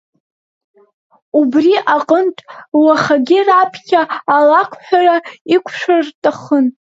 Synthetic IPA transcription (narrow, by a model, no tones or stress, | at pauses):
ubriʔaqʼəntʼwaχaɡʲirapʰkʲʰaːlakʷʰħʷᶣaraikʷʰʂʷɨrtʼaχən